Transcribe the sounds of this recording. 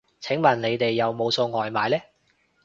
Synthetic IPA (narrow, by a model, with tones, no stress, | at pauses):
t͡sʰɪ˨˥ŋmɐ˨˩nne˨˧jt̪e˨jːɐ˨wmo˨˧wso˧wŋɔː˨jmaː˨jlɛː˥